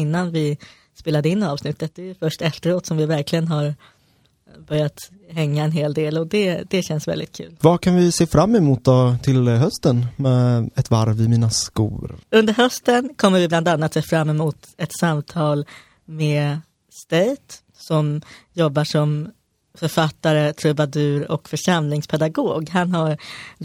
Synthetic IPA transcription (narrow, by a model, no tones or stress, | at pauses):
ɪnːanvɪ | speːlad̪əɪnːɑːvsnɪt̪ːət̪̚d̪ɛːjəfœʂʈɛft̪əɾoːt̪sɔmvɪvæɾklɪɡənɦaɾ | bœɾjat̪ | ɦɛŋːaɛnɦeːld̪eːlɔd̪ɛd̪ɛɕɛnsvɛ̰ld̪ɪt̪kʰʉ̟ːlvakʰanvɪseːfɾamːɛmuːt̪̚d̪ɔt̪ʰɪlɦœst̪ənmɛɛt̪va̰ɾvɪmiːnaskṵːɾɵnd̪əɾɦœst̪ənkʰɔmːəɾvɪbland̪anːat̪seːfɾamːɛmuːt̪ɛt̪samt̪ʰɑːl | meː | st̪eːt̪ | sɔmjɔbːaʂɔm | fœɾfat̪ːaɾət̪ʰɾɵbad̪ʉ̟ːɾɔ̰kfœʂamlɪŋspʰɛd̪aɡoːɡɦanɦaɾ